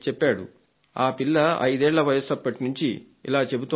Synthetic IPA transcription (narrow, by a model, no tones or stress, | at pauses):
t͡ʃɛpːaːɽu | aːpilːɐɐ̰jd̪ɛːɭːɐʋɐjɐsɐpːɐʈinuɲt͡ʃi | ḭlaːt͡ʃe̞but̪u